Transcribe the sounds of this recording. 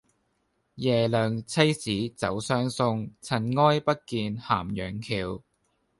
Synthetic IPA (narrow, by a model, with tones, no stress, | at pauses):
jɛː˨˩lœː˨ŋt͡sʰɐ˥jsiː˨˥t͡sɐ˨˥wsœː˥ŋsʊ˧ŋt͡sʰɐ˨˩nŋɔː˥jpɐ˥t̚kiː˧nhaː˨˩mjœː˨˩ŋkʰiː˨˧w